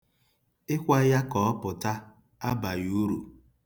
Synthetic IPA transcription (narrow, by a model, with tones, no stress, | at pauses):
ɪ˦kʷa˦ja˦kɔ˨ɔ˦pʊ˨ta˦ | a˦ba˨ju˦ɾṵ˨